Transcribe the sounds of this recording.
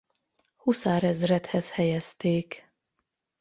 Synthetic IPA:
husaːɾɛzrɛt̪hɛshɛjɛst̪eːk

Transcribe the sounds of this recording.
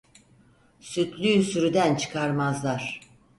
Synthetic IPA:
syt̪ʰlʲysyɾyd̪ænt͡ʃʰɯ̥kʰaɾmazlˠaɾ̥

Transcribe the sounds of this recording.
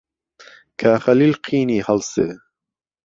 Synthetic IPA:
kʰaːxɐliːlqʰiːniːhɐlsḛː

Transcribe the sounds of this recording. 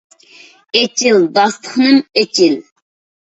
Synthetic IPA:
et͡ʃʰild̪ɑst̪ʰəχnɨmet͡ʃʰil

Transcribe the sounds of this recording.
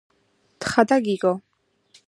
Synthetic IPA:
t̪χad̪aɡiɡɔ

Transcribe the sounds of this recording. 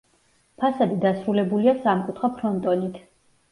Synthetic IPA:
pʰasad̪id̪asɾulɛbuliasamkʼut̪ʰχɔpʰɾɔnt̪ʼɔnit̪ʰ

